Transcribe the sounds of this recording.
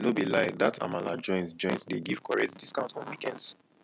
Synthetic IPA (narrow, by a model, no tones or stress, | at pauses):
nobilaɪdatʰa̰mala̰d͡ʒɔ̃ɪ̃ntd͡ʒɔ̃ɪ̃nsdeɡiv̥kɔɹɛtdiskãʊ̃ntɔ̃nwikɛ̃nds